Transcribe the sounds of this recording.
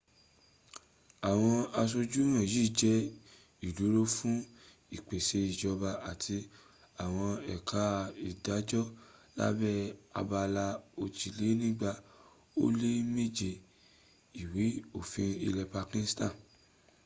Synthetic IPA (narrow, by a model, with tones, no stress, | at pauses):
a˨w̃ɔ̃˧a˧s̬o˧d͡ʒu˦j̃ã˦˨jiː˦˨d͡ʒɛ˦ | i˨du˨˦ɾo˦fũ˦ | i˦˨k͡pe˨se˧i˨d͡ʒɔ˨˧ba˧a˨tʰi˧ | a˨w̃ɔ̃˧ɛ˨kʰa˨˦˧i˨da˨˦d͡ʒɔ˦la̰˦bɛ˦a̰˧ba˧la˧o˧t͡ʃi˨le˨˦nĩ˦ɡ͡ba˧ | o̰˦le˦me˦d͡ʒe˨ | i˨wi˨˦o˦˨fĩ˧ḭ˧lɛ˧pa˧kĩ˧˦stã˦˨